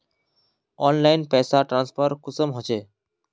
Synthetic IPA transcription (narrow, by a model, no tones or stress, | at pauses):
ɔnlajnpɛsaʈɾanspʰəɾkusəmɦɔt͡ɕʰe